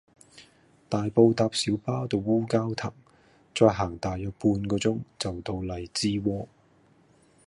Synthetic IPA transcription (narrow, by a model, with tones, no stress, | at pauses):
t̪aː˨jpo˧wt̪aː˧p̚siː˨˥wpaː˥wt̪o˨˧wuː˥kaː˥wt̪ʰɐ˨˩ŋ | t͡sɔː˧jɦaː˨˩ŋt̪aː˨jːœː˨˧k̚puː˧nkɔː˧t͡sʊ˥ŋt͡sɐ˨wt̪o˧wlɐ˨jt͡siː˥wɔː˥